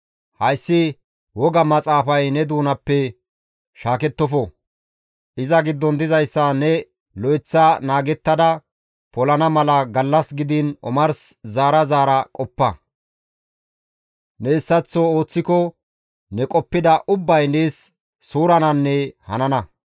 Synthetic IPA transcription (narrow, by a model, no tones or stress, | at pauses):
hɐjsːɪ | wɔɡɐmɐt͡sʼaːfɐjnɛd̪uːnɐpːɛ | ʃaːkɛt̪ːɔfɔ | ʔɪzɐɡɪd̪ːɔnd̪ɪzɐjsːɐnɛ | lɔjt͡sːɐnaːɡɛt̪ːɐd̪ɐ | pɔlɐnɐmɐlɐɡɐlːɐsɡɪd̪ɪnɔ̰mɐɾszaːɾɐzaːɾɐkʼɔpːɐ | nɛɪsːɐt͡sːɔo̞ːt͡sːɪkɔ | nɛkʼɔpːɪd̪ɐʔʊbːɐjneːsː | uːɾɐnɐnːɛhɐ̰nɐnɐ